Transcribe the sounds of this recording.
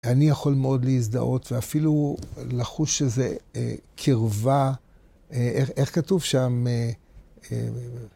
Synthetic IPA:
anijaχo̞lmeo̞dleiz̬d̪a̰ʔo̞tveafilulaχuʃezḛkʰiʁva | eʔeχe̞χkatuvʃame | e

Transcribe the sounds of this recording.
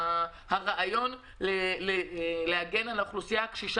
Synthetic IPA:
haʁaʔajo̞n | leleleaɡe̞naloχlusijakʃiʃ

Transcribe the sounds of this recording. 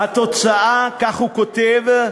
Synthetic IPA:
hat̪o̞t͡saakaχhukot̪ev

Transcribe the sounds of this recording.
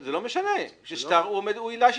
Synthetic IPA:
zelomeʃaneʃeʃtaʁumed̪uilaʃ

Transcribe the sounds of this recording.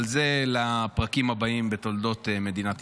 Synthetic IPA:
lzelapʁakimhabaimbet̪o̞ld̪o̞t̪eme̞d̪inat̪

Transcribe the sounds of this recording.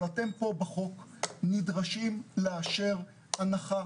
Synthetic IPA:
ate̞mpo̞baχo̞knidʁaʃimleaʃeʁ | anaχa

